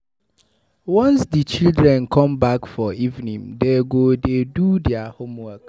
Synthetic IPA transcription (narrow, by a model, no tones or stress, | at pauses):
wɔ̃nsdit͡ʃildɹɛ̃nkʰɔ̃mbakfɔivnĩŋdeɡodedudɪahõmwak